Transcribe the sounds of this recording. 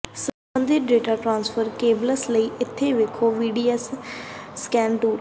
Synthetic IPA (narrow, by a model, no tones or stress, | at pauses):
səbbə̃nd̪ɪɾɖeːʈaːʈɾãːnspʰəɾkeːbləsləiːʔɪt̪ʰːeːʋeːkʰːoːʋiːɖiːɛsː | kɛ̃ːnʈuːɾ